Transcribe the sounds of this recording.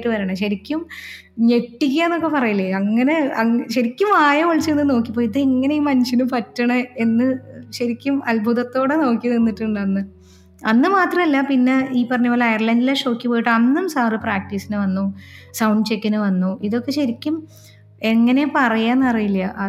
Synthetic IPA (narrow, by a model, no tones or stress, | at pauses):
ʈːɨʋɐɾɐɳɐɕɐɾikʲːum | ɲe̞ʈːik̬ʲːaenːo̞kːe̞pɐrɐjilːɐɐŋːɐne̞ɐɕɐɾikʲːumaːjɐʋɐɭt͡ɕːienːɨno̞ːkːipːojiðɨeŋːɐnejiumɐnɕinɨpɐtːɐɳɐe̞nːɨɕɐɾikʲːumɐlbʱuðɐt̪ːo̞ːɽe̞no̞ːkːininːiʈːuɳɖɐnːɨ | ɐnːɨmaːt̪rɐmɐlːɐpinːe̞iːpːɐrɐɲːɐpːoːlɐɐjɐrlɐndileʂo̞ːkːipoːjiʈːɨɐnːumsaːrɨpraːk̚ʈiːsinɨʋɐnːusɐwɳɖt͡ɕe̞kːinɨʋɐnːuiðo̞kːe̞ɕɐɾikʲːum | e̞ŋːɐne̞pɐrɐjaːnːɐrɐjilːjɐʔɐ